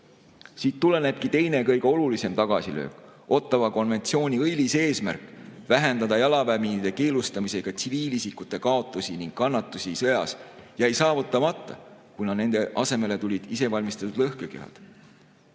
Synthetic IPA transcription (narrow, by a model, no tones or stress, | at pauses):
siːt̪ːule̞ne̞b̥kit̪e̞jne̞kɤ̞jɡ̥eo̞lulise̞mt̪ɑɡ̥ɑ̰silø̞̰ːko̞t̪ːˑɑvɑko̞nve̞nt̪sio̞ːnʲiɤjlise̞ːsmæ̰rkˑvæɦe̞nd̪ɑd̪ɑjɑlɑvæminid̪̥e̞ke̞ːlust̪ɑmise̞ɡ̥ɑt̪siviːlisikut̪ːˑe̞kɑo̞t̪ːˑusiniŋɡ̥kːɑnːɑt̪ːˑusisɤ̞jɑ̰sjæjsɑːvut̪ːˑɑmɑt̪ːˑɑ̰kujnɑne̞nd̪e̞ʔɑse̞me̞le̞t̪ulʲid̪̥ise̞vɑlʲmist̪ɑt̪ːud̪lɤhkeke̞̰ɦɑ̰d̪̥